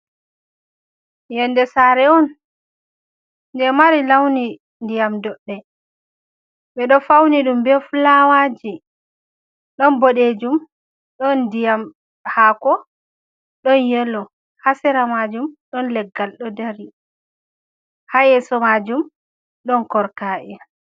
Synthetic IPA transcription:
jɛndɛsaɾɛɔn | ndɛmaɾilawni | ndijamdɔɗːɛ | ɓɛɗɔfawniɗumbɛfulawad͡ʒi | ɗɔnboɗed͡ʒum | ɗɔndijam | haːkɔ | ɗɔnjɛlːɔ | hasɛɾamad͡ʒumɗɔnlɛɡːalɗɔdaɾi | hajɛsɔmad͡ʒum | ɗɔnkɔɾkaːʔɛ

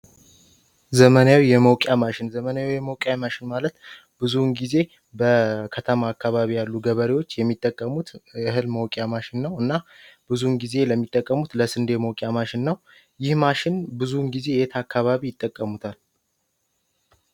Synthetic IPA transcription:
zəmənawijɛməwkʼjamaʃɪnzəmənajawijɛməwkʼjamaʃɪnmalət̪ | bɨzunɡize̞ | bəkʰət̪ʰəmaːkːaβaβijalːuɡəβəɾiwo̞t͡ʃːjɛmːit̪ʼːəkʼːəmut̪ɨɦɨlməwkʼjamaʃɪnːəwɨnːab̥ɨzunɡize̞ləmːit̪ʼːəkʼːəmut̪ləsɨnd̪eməwkʼjamaʃɪnːəw | jɪhmaʃɪnbɨzunɡize̞jet̪ʰakʰːaβaβijɪt̪ʼːəkʼːəmut̪ʰal

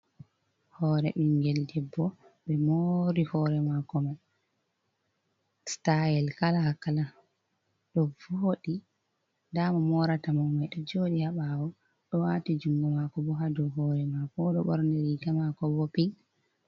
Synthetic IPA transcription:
hɔːɾɛɓiŋɡɛldɛbːɔ | ɓɛmoɾihɔːɾɛmakɔma | stajɛlkalahakala | ɗɔvoːɗi | damamɔɾatamɔmajɗɔd͡ʒoɗihaɓawɔ | ɗɔwatid͡ʒumɡamakɔbɔɦadɔwɦɔɾɛmakɔɗɔɓɔɾndɛɾiɡamakɔbɔpiŋ

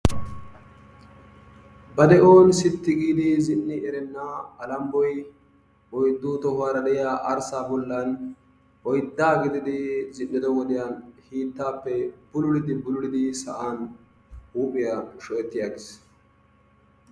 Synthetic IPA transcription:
bɐd̪ɛʔoːnsɪt̪ːɪɡiːd̪ɪzɪnːɪɛɾɛnːaɐlɐmbɔj | ɔjd̪ːuːt̪ɔhʊwaːɾɐd̪ɛjjaːʔɐɾsaːbɔlːɐn | ɔjd̪ːaːɡɪd̪ɪd̪ɪzɪnːɪd̪ɔwɔd̪ɪjaːnhiːt̪ːaːpːɛb̥ʊlʊɽɪd̪ɪbʊlʊɽɪd̪ɪsɐ̰ʔaːn | uːpʼɪjaʃɔʔɛt̪ːɪjaːɡɪs

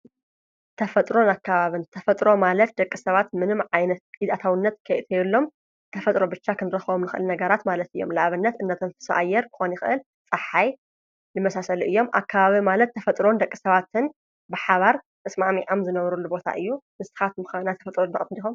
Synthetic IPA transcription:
t̪ʰɐfɐt̪ʼɾo̞nakʰːaβaβɨnt̪ʰɐfɐt̪ʼɾo̞malɐt̪̚d̪ɐkʼːisɐβat̪mɨnɨmʕajnɐt̪̚ʼid̪at̪ʰawɨnːɐt̪kʰɐjt̪ʰɐjɨlːo̞m | t̪ʰɐfɐt̪ʼɾo̞bɨt͡ʃːakʰɨnɾɐxβomnɨxɨʔɨlnɐɡɐɾat̪malɐt̪ɨjːo̞̰mlaʔaβɨnːɐt̪ɨnːɐt̪ʰɐnt̪ɨ̥sa̰ʔajːɛɾkʰɨ̥xo̞njɪxɨʔɨl | t͡sʼɐħaj | nɨmɐsasɐluʔɨjːo̞mʔa̰kʰːaβaβimalɐt̪ʰːɐfɐt̪ʼɾo̞nd̪ɐkʼːisɐβat̪ɨn | bɨħaβaɾt̪ʰʼɐsmamiʕamzɨnɐβɾulːubo̞t̪ʰa̰ʔɨjːumɨsɨ̥xat̪mɨxnajt̪ʰɐfɐt̪ʼɾonb̪ɐkʼɐt̪ɨnd̪ixom

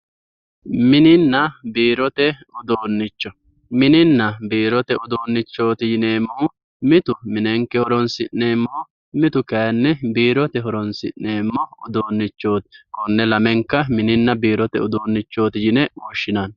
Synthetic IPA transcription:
mɪnɪnːɐbiːɾɔt̪ɛʊd̪oːnːɪt͡ʃːɔ | mɪnɪnːɐbiːɾɔt̪ɛʊd̪o̞ːnːɪt͡ʃːo̞ːt̪ɪjɪneːmːɔ | mɪt̪ʊmɪnɛŋkːɛhɔɾɔnsɪnːeːmːɔw | mɪt̪ʊkɐjɐnːɛbiːɾɔt̪ɛɦɔɾɔnsɪʔːe̞ːmːɔʊd̪oːnːɪt͡ʃːo̞ːt̪ɪ̥kɔnːɛlɐmɛŋkːɐmɪnɪnːɐbiːɾɔt̪ɛ̰ʊd̪oːnːɪt͡ʃːo̞ːt̪ɪjɪnɛwuːʃːɪnan

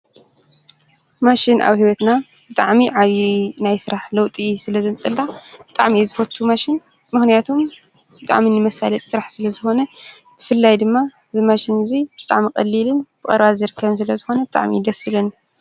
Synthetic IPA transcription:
maʃɪnʔa̰βhiwɐt̪na | b̥ɨt̪ʼaʕmiʕaβinajsɨɾaħlɐwt̪ʼisɨlɐzɐmt͡sʼɐlːabɨt̪ʼa̰ʕmizɨfɐt̪ʰːumaʃɪn | mɨxnijat̪ʰom | b̥ɨt̪ʼa̰ʕminɨmɐsa̰lɐt̪ʼsɨɾaħsɨlɐzɨxo̞nɐ | b̥ɨfɨlːajd̪ɨmːaɨzimaʃinɨzib̥ɨt̪ʼa̰ʕmikʼɐ̰lːilɨnb̥ɨkʼɐ̰ɾβazɨɾɨkʰːɐβsɨlɐzɨxo̞nɐbɨt̪ʼa̰ʕmḭd̪ɐsɨlɨn

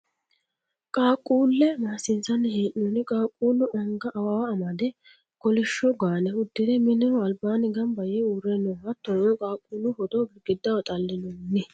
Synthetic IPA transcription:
kʼaːkʼːuːlːɛmaːsɪnsɐnːɛheːʔnɔnɪkʼaːkʼːuːlʊʔɐŋɡɐʔɐwawɐːmɐd̪ɛ | kɔlɪʃːɔɡaːnɛʊd̪ːɪd̪ɛmɪnːɪnɔɐlbaːnɪɡɐmbɐjɛuːɾɛnːɔhɐt̪ːɔkʼaːkʼːuːlʊhɔd̪ɔɡɡɪd̪ːɐwɐt̪ʼɐlːɪnɔnːɪ

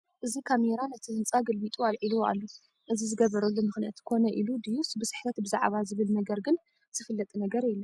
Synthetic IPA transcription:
ʔɨzikʰameɾanɐt̪ʰizɨnt͡sʼaɡɐlbit̪ʼualʕilua̰lːo | ʔɨzizɨɡɐβɐɾɐlːomɨxnijat̪ʰkʰo̞nɐʔilud̪ijusbɨsɨ̥ħt̪ʰɐt̪bɨza̰ʕβazɨβɨlnɐɡɐɾɡɨn | z̥ɨfɨlːɐt̪ʼnɐɡɐɾiɛlːɐ

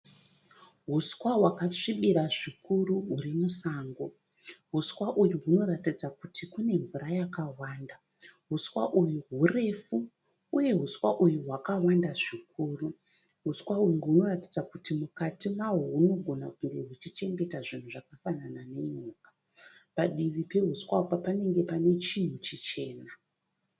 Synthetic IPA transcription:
ɦuswaɦwakaʂiɓiɾaʐikuruɦurimusaːŋɡo | ɦuswaʔujuɦuno̞ratid͡zakutʰikune̞ɱvurajakawaːnda | ɦuswaʔujuɦure̞fu | uje̞ɦuswaʔujuɦwakawandaʐik̚uːru | ɦuswauŋɡeɦuno̞ratid͡zakutimukatimaɦuɦuno̞ɡʱo̞nakuŋɡe̞ɦut͡ʃit͡ʃe̞ŋɡe̞taʐin̤uʐakafananane̞ɲuːkḁ | paɗiʋipe̞ɦuswapapane̞ŋɡe̞pane̞t͡ʃin̤ut͡ʃit͡ʃe̞ːna

